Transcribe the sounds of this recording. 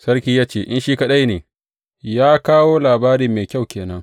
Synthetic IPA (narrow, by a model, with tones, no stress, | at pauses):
sɐ˦rkʲiː˦jaː˦t͡ʃeː˦˨ʔɪ˦nʃiː˦kɐ˦ɗa˦jneː˨ | jaː˦kaː˦woː˦laː˨baː˦ɾi˨mːeː˨kʲa˦˨wkʲeː˨nɐ˦ŋ